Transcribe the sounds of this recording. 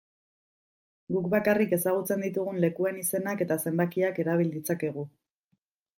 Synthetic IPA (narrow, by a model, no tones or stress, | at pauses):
ɡukbakarike̞saɣ̞ut͡se̞nd̪it̪uɣ̞unle̞kue̞nise̞nake̞t̪ase̞mbakiake̞ɾaβ̞ild̪it͡sake̞ɣ̞u